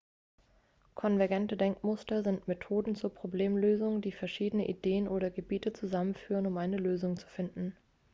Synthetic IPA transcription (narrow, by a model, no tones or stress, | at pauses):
kʰɔnvɛɐɡɛntədɛŋkmʊstɐzɪntmetʰoːdn̩t͡suːɐpʁ̥obleːmløːzʊŋdiːfɛɐʃiːdənəʔideːənʔoːɾɐɡəbiːtət͡suzamənfyːʁənʊmʔaɪnəløːzʊŋt͡su̥fɪndn̩